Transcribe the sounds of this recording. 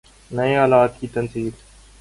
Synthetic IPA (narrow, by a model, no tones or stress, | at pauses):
nɐeaːlaːt̪̚kit̪ɐnsiːb